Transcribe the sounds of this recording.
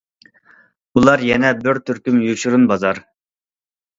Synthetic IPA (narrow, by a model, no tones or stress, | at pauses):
ulˠɑɾjɛnɛbɪɾt̪ʰːyɾkʲymjut͡ʃuɾunbɑzɑɾ